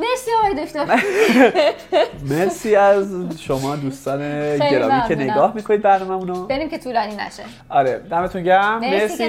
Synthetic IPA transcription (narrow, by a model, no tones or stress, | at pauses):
mesiɒmɑjd̪uʃt̪o | mesiːæzʃomɒːd̪uːst̪ɒːneɟe̞ɾɒ̰ːmiːcʰene̞ɡɒːhmiːkʰoniːd̪̚bæɾnɒːmæmunobeɾimcʰet̪ʰuːlɒːninæ̰ʃe | ɒːɾed̪æmet̪ʰunɟæmmesi